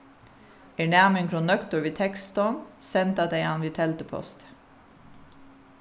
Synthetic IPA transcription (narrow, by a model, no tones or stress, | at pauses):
ɛɳæʁmɪŋkʰɾʊnːœkt̪ɔɹʋiːt̪ʰɛkst̪ɔnsɛnt̪ɑd̪eɪɑnʋit̪ʰɛlt̪əpʰɔ̰st̪